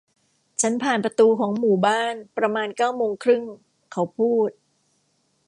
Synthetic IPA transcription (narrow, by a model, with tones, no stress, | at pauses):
t͡ɕʰa˦˥npʰaː˨˩npɾa˧t̪uː˧kʰɔː˩˦ŋmuː˨˩baː˥˩npɾa˧maː˧nkaː˥˩wmoː˧ŋkʰɾɯ˥˩ŋ | kʰa˦˥wpʰuː˥˩t̪̚